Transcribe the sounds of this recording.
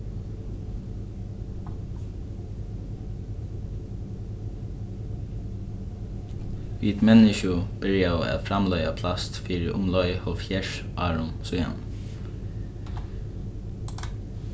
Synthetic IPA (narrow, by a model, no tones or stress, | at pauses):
ʋḭːt̪mɛnɪʃʊb̥ɪɹɪaæ̰ːt̪fɾamlœʏapʰlast̪fiːɹɪʔʊ̰mlɔʏhɔlfçjɛʃ | ʔa̰ːɹʊnsuja̰n